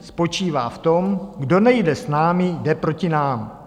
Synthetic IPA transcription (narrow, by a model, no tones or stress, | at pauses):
spo̞t͡ʃiːvaːft̪o̞mɡdo̞nɛjdɛsnaːmɪdɛpɾo̞cɪnaːm